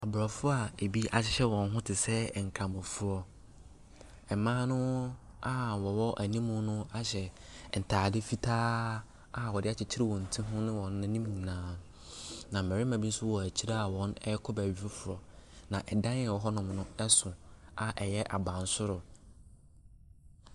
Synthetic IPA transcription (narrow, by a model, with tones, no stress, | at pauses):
a˨bʊ˨ɾɔ˨fʊ˦a˨e˨bi˦a˨ɕɪ˦ɕɛ˦wɔ̃˨n˦ɦʊ̃˦tʰɪ˨sɛ˦˨ŋ̩˨kʰã˨mʊ̃˨fʊ˦ɔ˨ | ɛ˨mãː˦nʊ̃˦ | a˨wɔ˨wɔ˦ʔæ˨nĩ˦mʊ̃˦nʊ̃˦a˦ɕɛ˨n̩˨tʰaː˨dɪ˦fi˦tʰaː˦ | a˦˨wɔ˨dɪ˦a˦t͡ɕʰɪ˨t͡ɕʰɪ˦ɾɪ˦wɔ̃˨n̩˨tʰĩ˦ɦʊ̃˦nʊ̃˦wɔ̃˨nː˦ʊ̃˦nĩ˦mĩ˨ŋ˨nãː˨˦n˨ | nã˨m̩˨ɛ˨ɾɪ˦mã˨bi˦n̩˦sʊ˦wɔ˨æ˨t͡ɕʰi˦ɾa˦a˨wɔ̃˦nɛ˦kʰɔ˦bæ˨ɥᶣi˦ɾo˦fʊ˨ɾɔ˨nã˨ʔɛ˨dã˦njɛ˨wɔ˨ɦɔ˦nʊ̃˨mnʊ̃˦ɛ˦sʊ̃˨a˨ʔɛ˨jɛ˦ʔa̰˨bã˨n˨sʊ˦ɾʊ˨